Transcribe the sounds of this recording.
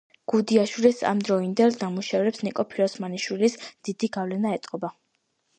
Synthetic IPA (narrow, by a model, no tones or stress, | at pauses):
ɡ̥ud̪iaʃwilisa̰md̪ɾɔind̪ɛlˠnamuʃavɾɛpsnikʼɔpʰiɾɔsmaniʃwilisd̪̥id̪̥iɡavlɛnaɛt̪ʼqʼɔba